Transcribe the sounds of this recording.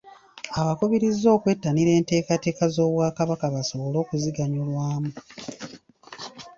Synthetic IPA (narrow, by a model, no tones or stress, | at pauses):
aβakuβiɾizo̞ːkwe̞tːaniɾe̞ːnte̞ːkate̞ːkazo̞ːβwaːkaβakaβaso̞βolo̞ːkuziɡaɲulwaːmu